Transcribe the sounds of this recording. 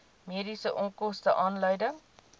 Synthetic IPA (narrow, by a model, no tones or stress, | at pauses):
miːdisəʔɔŋkɔstəʔɑːnləjdəŋ